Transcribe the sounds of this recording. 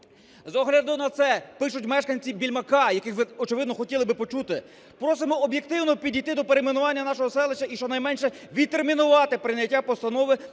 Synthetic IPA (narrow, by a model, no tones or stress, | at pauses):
zɔɦlʲɐd̪ʊnɐt̪sɛpɪʃʊtʲmɛʃkɐnʲt͡sʲibʲilʲmɐkɑjɐkɪxʋɪɔt͡ʃɪʋɪd̪nɔxɔtʲilˠɪbɪpɔt͡ʃut̪ɪ | pɾɔs̬ɪmɔɔbʲjek̚t̪ɪwnɔpʲidʲijt̪ɪd̪ɔpeɾejmenʊʋɑnʲːɐnɑʃɔɦɔsɛlˠet͡ʃːɐʔiʃt͡ʃɔnɐjmɛnʃɛ | ʋʲid̪̚t̪ermʲinʊʋɑt̪ɪpɾɪnʲjɐtʲːapɔst̪ɐnɔʋɪ